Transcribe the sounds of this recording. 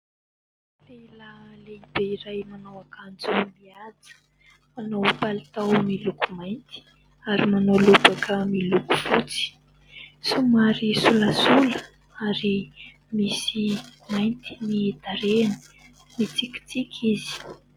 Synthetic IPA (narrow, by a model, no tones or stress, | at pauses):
lelaleibeiɾajmanawakʰand͡zumiat͡sə̥ | manowpalit̪awmilukumajnt̪i̥ | aɾimanolubakʰəmiluku̥fut͡si̥ | sumaɾisuləsulə | aɾi | misimajnt̪inid̪̥aɾenə̥ | nit͡siki̥t͡sikʲʰizi̥